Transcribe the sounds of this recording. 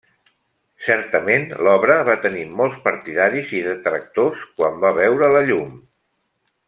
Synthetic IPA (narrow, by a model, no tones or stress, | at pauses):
sɛɾt̪əmenlɔβɾəβat̪ənimɔlˠspəɾt̪iðaɾiziðət̪ɾək̚t̪oskwambaβɛwɾələʎum